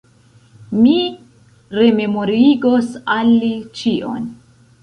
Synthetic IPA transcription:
mi | ɾe̞me̞moɾiɡosalːit͡ʃiʔo̞̰n

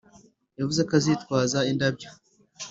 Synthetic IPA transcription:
javuzekazitkwaːzaindabjo

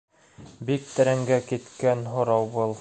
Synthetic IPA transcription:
bik̚t̪ɘ̆ɾæŋɡækit̪kænɦŏɾɑwbɤlˠ

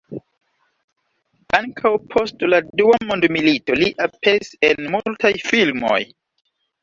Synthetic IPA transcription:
aŋkʰawpʰo̞stladuwamo̞ndmilito̞liʔapʰesenmultajfilmo̰j

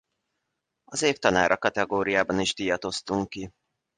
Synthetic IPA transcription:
ɒzeːft̪ɒnaːɾʔɒkɒt̪ɛɡoːɾijaːbɒniʒd̪ijɒt̪o̞st̪uŋkːi

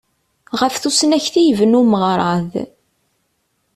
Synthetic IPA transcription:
ʁəfθusnæçθijvənuməʁɾˤɑð

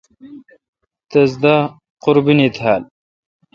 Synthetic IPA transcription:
t̪ɐzd̪a | qʊɾbinit̪hal

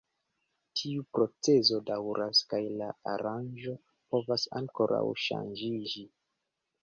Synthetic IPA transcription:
tʰiupɾo̞t͡se̞zo̞dawɾʔaskajlaaɾand͡ʒo̞ | po̞vasa̰ŋko̞ɾa̰wʃa̰nd͡ʒid͡ʒi

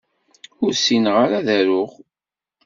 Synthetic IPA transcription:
ʊɾsinʁaɾaðæɾʊʁ

